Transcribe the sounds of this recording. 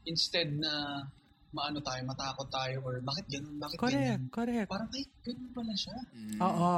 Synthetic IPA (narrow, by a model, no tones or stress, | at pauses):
ʔɪnst̪ɛd̪̚nɐ | mɐʔɐnot̪aːjomɐt̪aːkot̪ːaːjoʔɔɹbaːkɪt̪̚ɡɐnonbaːkɪtkoɡɾɛkt̪̚koɾɛk̚paːɾɐmɐɡɐnonpɐlaʃaʔoːʔo